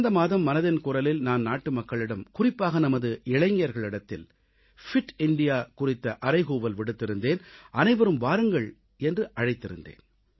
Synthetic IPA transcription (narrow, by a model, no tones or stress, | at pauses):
nd̪ɐmaːðɐmːɐnɐðɪnkʊrɐlɪlnaːnnaːʈːɯmɐkːɐɭɪɽɐmkʊrɪpːaːɣɐnɐmɐðɯʔɪɻɐɪŋɪjɐɾɣɐɭɪɽɐt̪ːɪ̰l | fɪʈɪɳɖɪjaːkʊrɪt̪ːɐʔɐɾɐɪɣuːʋɐlʋɪɽɯt̪ːɪɾɯnd̪eːnʔɐnɐɪʋɐɾɯmʋaːɾɯŋɡɐɭ | ɛndrɯʔɐɻɐɪt̪ːɪɾɯ̰nd̪ḛːn